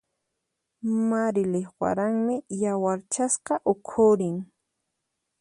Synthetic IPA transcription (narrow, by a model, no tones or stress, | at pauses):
maɾɪlɪχwa̰ɾaŋmɪjawaɾt͡ʃasqɑʔʊkʰʊɾɪŋ